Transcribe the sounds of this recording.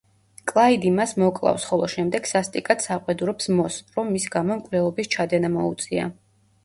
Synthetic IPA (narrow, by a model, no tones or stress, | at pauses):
kʼlˠaid̪imasmɔkʼlˠa̰fsχɔlˠɔʃɛmd̪ɛɡ̥sast̪ʼikʼat̪saqʼwɛd̪uɾɔpsmɔsɾɔmːisɡamɔmkʼvlɛlˠɔbist͡ʃʰad̪ɛnamɔṵt̪sʼia̰